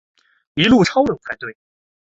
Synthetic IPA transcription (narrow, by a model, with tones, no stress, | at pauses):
i˧˥lu˥˩ʈ͡ʂʰɑ˥ʊlɤ˨˩ŋfʰa˨˩nt̪we˥˩ɪ